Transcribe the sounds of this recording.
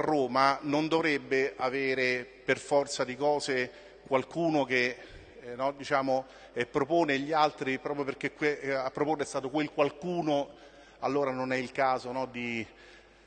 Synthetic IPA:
rːoːmanond̪ovɾebːeaveːɾeperfɔrt̪sad̪ikɔːze | kwalkuːnok̟e | nɔd̪it͡ʃaːmo | ɛpːɾopoːneʎːialt̪ɾipɾɔːpɾjoperk̟ekweapːɾopoːnːeɛst̪aːt̪okwelkwalkuːno | alːoːɾanonɛilkaːzonɔd̪i

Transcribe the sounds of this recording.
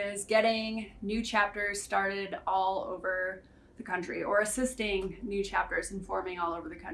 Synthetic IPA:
ɪzɡɛɾɪ̃ŋnʉt͡ʃʰæp̚tə˞z̥stɑɹɾɪɾɔlˠo̰ʊvə˞ | ðɨkʰʌ̃nt͡ʃɹ̥iə˞ɨsɪstɪ̃ŋnʉt͡ʃʰæp̚tə˞z̃n̩fɔɹmɪ̃ŋɔlˠoʊvə˞ðɨkʰʌ̃

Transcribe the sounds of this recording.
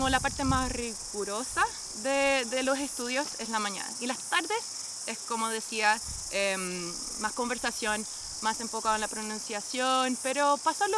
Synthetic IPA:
olapaɾt̪emasriɣuɾo̞sa | ðeðe̞lo̞se̞st̪uðjo̞seslamaɲa̰na̰ilast̪aɾðes | eskomoð̞e̞sia | em | masko̞mbe̞ɾsasjo̞n | mase̞ɱfokaðenlapɾonũnsjasjonpe̞ɾo̞pasalo

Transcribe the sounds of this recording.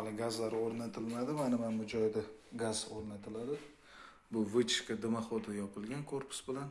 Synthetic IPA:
alˠɪɡazlaɾoɾnat̪ʰɪlmad̪ɪmanɪmamʊd͡ʒɒjd̪aɡazoɾnat̪ʰɪlad̪ɪ | bʊvɪt͡ʃʰɪ̥ʃkʲad̪ɪmaχod̪ʰajɒpʰɪlˠɡʲankʰoɾpʰɪ̥sbɪlan

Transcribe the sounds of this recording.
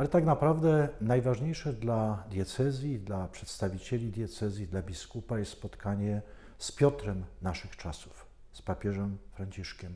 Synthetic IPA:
alɛt̪aɡnapɾavd̪ɛnajvaʐɲejʂɛd̪lad̪jɛt̪sɛzʲjid̪lapʂɛt̪st̪avʲit͡ɕelʲid̪ʲjɛt̪sɛzʲjid̪labʲiskupajɛst̪spɔt̪kaɲɛ | spʲjɔt̪ɾɛmnaʂɘxt͡ʂasu̥f | spapʲjɛʐɛmfɾaɲt͡ɕiʂkʲɛm

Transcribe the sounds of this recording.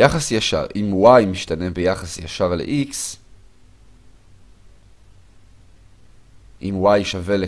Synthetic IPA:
jaχasjaʃa̰ʁʔimwajmiʃtane̞bejaχasjaʃaʁlḛʔiks | ʔimwajʃave̞le

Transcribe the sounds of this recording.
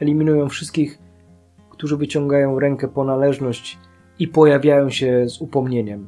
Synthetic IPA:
ɛlʲimʲinujɔ̃w̃fʂɘst̪kʲix | kt̪uʐɘvɘt͡ɕɔŋɡajɔ̃w̃ɾɛŋkɛpɔnalɛʐnɔɕt͡ɕ | ipɔjavʲjajɔ̃w̃ɕɛzupɔmɲeɲɛm

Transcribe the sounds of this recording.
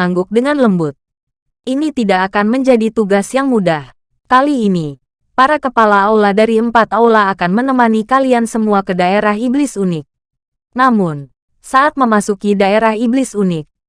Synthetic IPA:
aŋɡʊk̚dəŋanləmbʊt̪̚ | ʔinit̪idakːkanməɲd͡ʒadit̪uɡasjaŋmudah | kaliːni | paɾakəpalaaulahdaɾiəmpat̪aulaːkanmənəmanikaliansəmuakədaeɾaɦiblɪsunɪk̚ | namʊn | saʔat̪̚məmasukidaeɾahiblɪsunɪk̚

